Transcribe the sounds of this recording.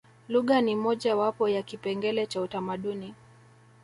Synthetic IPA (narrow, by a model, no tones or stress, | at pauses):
luɠanimɔʄawapɔjakipɛŋɡɛlɛt͡ʃautamaɗuni